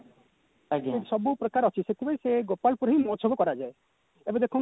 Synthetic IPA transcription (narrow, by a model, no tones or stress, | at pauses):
ɡesɔbupɾɔkaɾɔt͡ʃʰiset̪ʰibaɾiseɡopalpuɾɦimɔt͡ʃʰɔbɔkɔɾad͡ʒae | ebɔ̃d̪ekʰũ